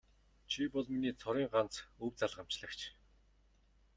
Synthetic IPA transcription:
t͡ɕʰipɔɮminiːt͡sʰɔɾiːŋɢan̥t͡sɵwt͡saɮʁam̥t͡ɕɮə̆kt͡ɕʰ

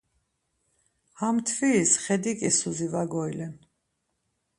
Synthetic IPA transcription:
hamt̪ʰvisχɛd̪ikʼisuzivaɡɔilɛn

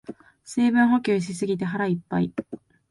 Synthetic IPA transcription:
seːbɯ̟̃ɰ̃ɦo̞kʲɨːɕ̬isɨɡʲit̪eɦaɾaipːai

